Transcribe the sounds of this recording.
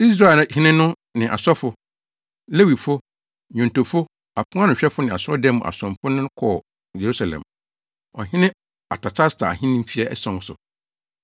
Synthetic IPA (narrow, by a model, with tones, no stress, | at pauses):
i˦s̬ɾã˦˨˦hɪ̃˦nɪ̃˦nʊ̃˦ | nɪ̃˨ʔa̰˨sɔ˦fʊ˦ | le˦wi˨fʊ˦ | ɲũ˨n˨to˨fʊ˦ | a˨pʰʊ̃˦a˦nʊ̃˨ɕᶣɛ˦fʊ˦nɪ̃˨a˨sɔ˦dɛ̃˦m̃˨ʔa̰˨sɔ̃˨m˨pʰʊ˦nʊ̃˦kʰɔ˨ | je˨ɾu˦sa˨lɛ̰̃˨m | ɔ˨hɪ̃˦nɪ̃˦ | a̰˨tʰa˨t͡ɕʰa˦stʰa˨a̰˨hɪ̃˦nɪ̃˦m̩˦fi˦ɛ˦ʔɛ˦sɔ̃˦n˦sʊ̰˨